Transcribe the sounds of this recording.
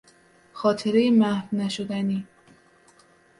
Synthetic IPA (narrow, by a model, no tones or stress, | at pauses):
xɒːt̪ʰeɾejimæhfnæʃod̪æni